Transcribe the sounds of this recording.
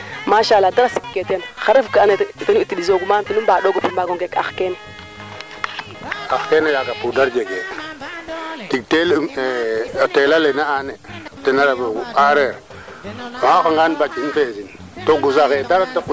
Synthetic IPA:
maʃaladaɾasi̥kketjenxaɾafkaanetanuitiɗizoɡumantunumbaɗoɡupumbaɡoŋɡeka̰xkene | axkenejakapudaɾd͡ʒeɡḛ | tik̚teltelalenaanetinaɾaboɡuaɾeɾ | maakaŋɡanbat͡ʃinfezin | toɡusaɣedaɾataku

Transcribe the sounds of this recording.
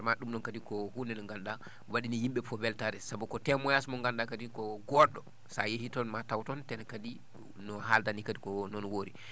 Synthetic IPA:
aɾmaɗumɗɔnkadikɔhundɛnɔŋɡanɗa | waɗinijimɓɛfɔbɛltaɾɛsabukɔtɛmɔjasmɔŋɡanɗakadikɔɡɔɗɔ | sa̰jehitɔnmatawtɔntɛnkadi | nɔɦaldanikadikɔnɔnwoːɾi

